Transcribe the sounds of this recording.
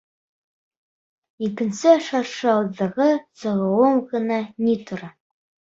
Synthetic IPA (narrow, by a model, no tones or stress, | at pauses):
ikɘ̆nsɘʃɑɾʃɤ̆ɑwðːɤ̆ʁɤsɤ̆ʁɤoɴʁɤ̆nɑnʲit̪ŏɾɑ